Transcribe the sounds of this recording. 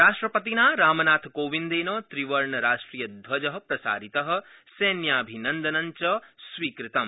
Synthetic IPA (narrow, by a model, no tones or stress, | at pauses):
ɾaːʂʈɾɐpɐt̪inaːɾaːmɐnaːt̪ʰkoːʋind̪eːnɐːt̪ɾiʋɐɾɳɐɾaːʂʈɾiːjɐd̪ʋɐd͡ʒɐɦɐ̆pɾɐsa̰ːɾit̪ɐɦɐ̆ | seːnjaːbʱinɐnd̪ɐnɐɲt͡ʃɐsʋiːkɾit̪ɐm